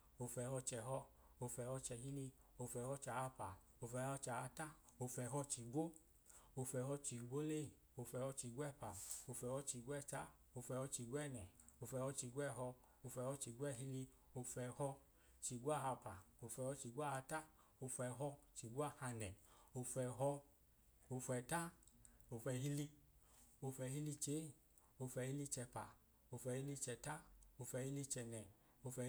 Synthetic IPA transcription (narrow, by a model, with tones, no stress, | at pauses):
o˧fɛ˧hɔ˧t͡ʃɛ˧ɦɔ˧o˧fɛ˧hɔ˧t͡ʃɛ˧ɦi˦li˧o˧fɛ˧hɔ˧t͡ʃa˨a˧pa˨ | o˧fɛ˧hɔ˧t͡ʃa˨a˧ta˦o˧fɛ˧ɦɔ˧t͡ʃi˧ɡʷo˦ | o˧fɛ˧ɦɔ˧t͡ʃi˨˧ɡʷo˦le˦˨ | o˧fɛ˧hɔ˧t͡ʃi˧ɡʷɛ˦˨pa˨o˧fɛ˧hɔ˧t͡ʃi˧ɡʷɛ˦˧˨t͡ʃa˦ | o˧fɛ˧hɔ˧t͡ʃi˧ɡʷɛ˦˨nɛ˨o˧fɛ˧hɔ˧t͡ʃi˧ɡʷɛ˦˨ɦɔ˧ | o˧fɛ˧hɔ˧t͡ʃi˨˧ɡʷɛ˦˧˨ɦi˧li˧ | o˧fɛ˧hɔ˧ | t͡ʃi˧ɡwa˦˨ha˧pa˨o˧fɛ˧hɔ˧t͡ʃi˧ɡʷa˦˨a˧ta˦ | o˧fɛ˧ɦɔ˧t͡ʃi˧ɡʷa˦˨ha˧nɛ˨o˧fɛ˧ɦɔ˧ | o˧fɛ˧˨ta˦o˧fɛ˧ɦi˦li˧ | o˧fɛ˧ɦi˧li˧t͡ʃe˨˦˨ | o˧fɛ˧hi˦li˧t͡ʃɛ˧pa˨ | o˧fɛ˧hi˦li˧t͡ʃɛ˧ta˦o˧fɛ˧hi˦li˧t͡ʃɛ˧nɛ˨ | o˧fɛ˧